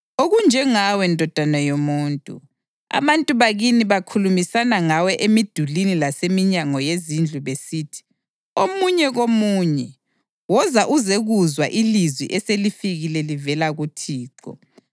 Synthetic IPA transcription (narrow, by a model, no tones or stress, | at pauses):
oɣund͡ʒʱɛŋawɛndʱɔd̥ʱanajomuːntʼṵ | a̰βantʼuβaɣiniβakʰulumisanaŋawɛʔemid̥ʱulinilasemiɲaŋɔjezind͡ɮʱuβesiːtʰi̥ | omuɲɛɣomuːɲɛ | wɔzaʔuzeɣuzwaʔilizwḭʔɛselifiɣilɛlivɛlaɣutʰiːǃɔ̰